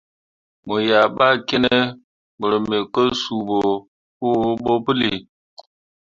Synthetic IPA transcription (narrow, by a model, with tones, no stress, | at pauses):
mo˨ja˨ɓa˦ke˦ne˦ | mə˨ɾə˨me˨kə˦su˨bo˨ | pu˦ɓo˦pɨ˦li˨